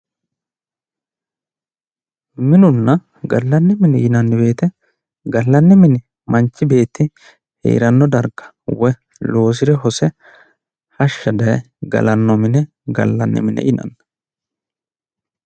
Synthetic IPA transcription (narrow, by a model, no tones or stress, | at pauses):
mɪnʊnːɐ | ɡɐlːɐnːɛmɪnɪʔɪnɐnːɪbe̞ːt̪ɛ | ɡɐlːɐnːɛmɪnɪ | mɐnt͡ʃːɪbe̞ːt̪ːɪ | hɛ̰jːɾɐnːɔd̪ɐɾɡɐ̥ | wɔ | lo̞ːs̬ɪɾɛɦɔsɛ | hɐʃːɐd̪ɐjɛ | ɡɐ̰lɐnːɔmɪnɛ | ɡɐ̰lːɐ̰nːɛ̰mɪnɛ̰ʔɪnɐ̰nːɐ